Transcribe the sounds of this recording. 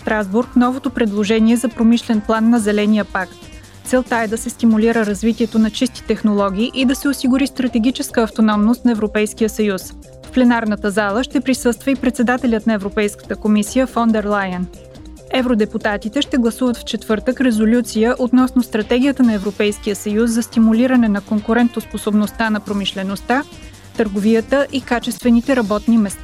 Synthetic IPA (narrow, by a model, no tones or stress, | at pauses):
st̪ɾazbuɾknɔvot̪opɾɛd̪lˠoʒɛnʲiɛzɐpɾomiʃlɛnplˠanːɐzɛlɛnijəpakt̪ | t̪sɛlˠt̪aɛd̪ɐsɛst̪imulʲiɾəɾɐzvit̪iɛt̪onɐt͡ʃist̪i̥t̪ɛxnolˠɔɡ̟ʲiːʔid̪ɐsɛosiɡʊɾist̪ɾɐt̪ɛɡ̟ʲit͡ʃɛskəːft̪onɔmnost̪nɐɛvɾopɛjskijəsɐjus | fplɛnaɾnət̪əzalˠəʃt̪ɛpɾisɤst̪vəipɾɛt̪sɛd̪at̪ɛlʲət̪nɐɛvɾopɛjskə̥t̪əkomisijəfɔnd̪ɛɾlˠajən | ɛvɾod̪ɛput̪at̪it̪ɛʃt̪ɛɡlˠɐsuvət̪ft͡ʃɛt̪vɤɾt̪əkɾɛzolʲut̪sijəʔot̪nɔsnost̪ɾɐt̪ɛɡʲijət̪ənɐɛvɾopɛjsk̟ijəsɐjusːɐst̪imulʲiɾənɛnɐkoŋkʊɾɛnt̪osposobnost̪anɐpɾomiʃlɛnost̪a | t̪əɾɡovijət̪əʔikat͡ʃɛst̪vɛnit̪ɛɾɐbɔt̪nimɛst̪a